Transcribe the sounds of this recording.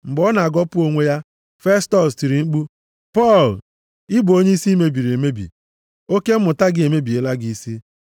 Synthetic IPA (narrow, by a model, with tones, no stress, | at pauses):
m̩˨ɡ͡bɔ˦na˨a˨ɡɔ˦pʊ˦o˦ŋʷe˦ja˦ | fe˦stɔ˨sti˨ɾi˨ŋ͡m̩˦k͡pu˦ | pɔ˦˨l | ɪ˦bʊ˨o˦ɲe˦i˦si˦me˦bi˨ɾi˨e˨me˦bḭ˨ | o˦ke˦m̩˦mʊ˨ta˦ɡɪ˦e˨me˦bi˨e˨la˦ɡɪ˦i˦si˦